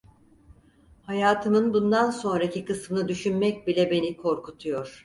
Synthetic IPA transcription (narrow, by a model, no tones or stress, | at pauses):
hajaːt̪ʰɯmɯnbund̪anso̞nɾacʰikɯsmɯnˠɯd̪yʃynmɛc̚bilʲɛbe̞nikʰo̞ɾkʰut̪ʰujo̞ɾ̥